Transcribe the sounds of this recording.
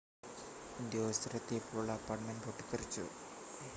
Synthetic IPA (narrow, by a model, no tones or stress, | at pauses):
ind̪joːst̪ɐɾɐt̪ːepʰːoːɭɐɐpːaːrʈmenɖoʈːikːɐrit͡ɕːṵ